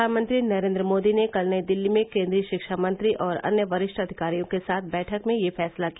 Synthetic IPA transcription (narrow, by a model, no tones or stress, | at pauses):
aːnmə̃nt̪ɾinɐɾẽːnd̪ɾəmoːd̪inekɐlnəid̪ɪlːimẽkẽːnd̪ɾiəʃɪkʃamɐ̃nt̪ɾiʔɔːɾɐ̰njəʋɐɾɪʃʈʰɐd̪ʱɪkaːɾijõkesaːt̪̚ʰbɛːʈʰəkmẽjefɛːslaki